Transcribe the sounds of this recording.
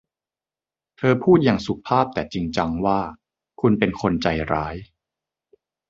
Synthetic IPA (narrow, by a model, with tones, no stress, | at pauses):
t̪ʰɤː˧pʰuː˥˩t̪̚jaː˨˩ŋsu˨˩k̚pʰːaː˥˩p̚t̪ɛː˨˩t͡ɕi˧ŋt͡ɕa˧ŋwaː˥˩ | kʰu˧npe˧nkʰo˧nt͡ɕa˧jɾaː˦˥j